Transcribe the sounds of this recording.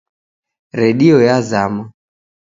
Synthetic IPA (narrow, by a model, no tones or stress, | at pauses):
ɾɛɗiɔjazama